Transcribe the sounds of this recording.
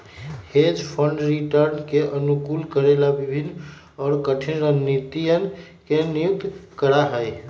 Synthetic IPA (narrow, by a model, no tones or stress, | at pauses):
hed͡ʒpʰəɳɖɾiʈəɾnkeʔənukulkəɾelabibʱinː | ɔːɾkəʈʰinɾənːit̪ijən | kenijuk̚t̪kəɾaɦəj